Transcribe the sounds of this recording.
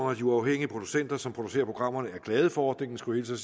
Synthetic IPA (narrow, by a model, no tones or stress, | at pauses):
æd̥iuɑ̈ʊɦeŋ̰iəpʰʁo̝d̥u̥sen̰d̥ɐsɒmpʰʁo̝d̥u̥se̝̰ːɐpʰʁo̝ɡ̥ʁɑ̈m̰ɐnəæɐɡ̥lɛːð̞ˠəfɒɒːd̥ne̝ŋn̩sɡ̥uhe̝ːlsʰes